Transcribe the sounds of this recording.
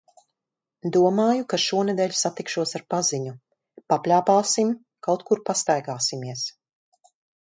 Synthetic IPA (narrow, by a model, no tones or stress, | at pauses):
d̪uɔmaːjukaʃuɔned̪ɛːʎʲu̥sat̪ikʃuɔsaɾpaziɲu | paplʲaːpaːsim | kawt̪kuɾpast̪ajɡaːsimiɛs